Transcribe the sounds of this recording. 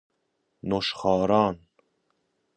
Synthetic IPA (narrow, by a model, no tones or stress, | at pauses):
noʃχɑːɾɑːn